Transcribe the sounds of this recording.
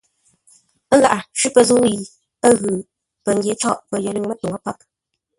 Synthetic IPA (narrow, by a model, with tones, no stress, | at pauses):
ə˦ŋɣa̰˨ʔa˨ʃʉ˦pə˨zu˦i˨ | ə˦ɣɨ˨ | pə˨ŋ˨ɡje˨˦t͡ʃɔ˦˨ʔpə˨jə˨li˦ŋmə˦to˨ŋa˦pa˦p̚